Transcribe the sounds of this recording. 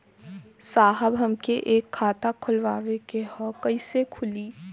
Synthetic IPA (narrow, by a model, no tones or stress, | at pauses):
saːɦəbɦɐmkeʔeːkʰːaːt̪akʰʊlʋaːʋekehɔkɐisekʰʊliː